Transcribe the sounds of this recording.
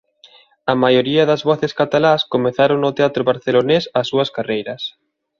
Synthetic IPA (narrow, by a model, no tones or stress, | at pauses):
ɐmajoɾiɐðɐzβɔθeskat̪alaskomeθaɾoŋnʊt̪eat̪ɾoβaɾθelonesɐsːuɐskarejɾɐs